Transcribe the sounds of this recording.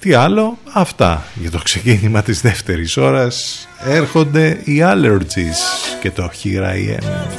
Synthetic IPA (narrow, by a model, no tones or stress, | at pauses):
t̪iɐlo̞ɐft̪ɐ̰ʝɐt̪o̞kse̞cinimɐt̪izðe̞ft̪e̞ɾiso̞ɾɐs | eɾxo̞nd̪e̞iɐleɾd͡ʒisce̞t̪o̞çiɾɐ̰ḭḛm